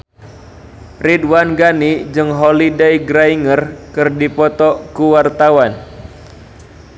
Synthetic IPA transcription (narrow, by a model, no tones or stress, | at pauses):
ridwanɡanid͡ʒɨŋɦɔlidɛjɡɾaiŋərkɨrdipɔt̪ɔkuwart̪awan